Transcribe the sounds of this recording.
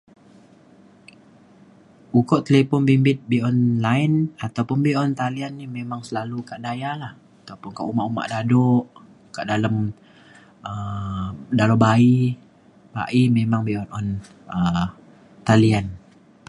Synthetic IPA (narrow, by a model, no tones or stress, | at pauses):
ukɔʔt̪əlepɔnbimbɪt̪̚biɔnlajnat̪awpʊnbiɔnt̪alianːimemaŋsəlalukaʔdajalah | at̪awpʊnkaʔuma̰ʔuma̰ʔdadɔʔ | kaʔdalam | ə | dalɔbai | ba̰ʔimemaŋbiɔnɔn | ə | t̪alian